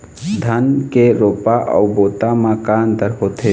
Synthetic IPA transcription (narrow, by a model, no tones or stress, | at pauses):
d̪ʱənkeɾoːpaʔɔ̰wboːt̪amãkant̪əɾɦoːt̪e